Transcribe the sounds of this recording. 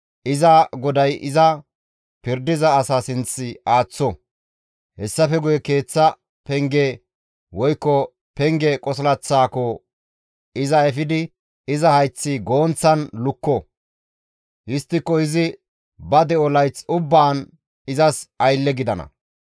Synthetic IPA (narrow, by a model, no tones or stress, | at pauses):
ʔɪzɐɡɔd̪ɐjʔɪzɐ | pɪɾd̪ɪzɐːsasɪnt͡sːɪʔaːt͡sːɔ | hɛsːɐfɛɡʊjɛke̞ːt͡sːɐ | pɛŋɡɛ | wɔjkːɔ | pɛŋɡɛkʼɔslɐt͡sːaːkɔ | ɪzɐɛfɪd̪ɪ | ɪzɐhɐjt͡sːɪɡo̞ːnt͡sːɐnlʊkːɔ | hɪst̪ːɪkːɔɪzɪ | bɐd̪ɛɔlɐjt͡sʊbːaːn | ɪzɐsɐjlːɛɡɪd̪ɐnɐ̰